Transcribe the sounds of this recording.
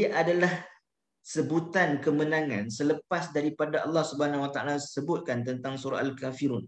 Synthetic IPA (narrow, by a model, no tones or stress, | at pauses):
ʔadalah | səbut̪ankəmənãŋã̰nsələpasdaɾipadaʔɑlːɑhsubahanãwat̪aʔa̰lasəbʊt̪̚kant̪ənt̪aŋsuɾa̰ʔalkafiɾun